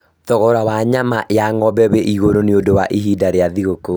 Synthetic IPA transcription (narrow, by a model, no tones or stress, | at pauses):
tɔɣɔɾawaɲamaʔeaŋɔbɛβeʔiɣoɾoneodowaʔiɦidaɾeaðiɣoko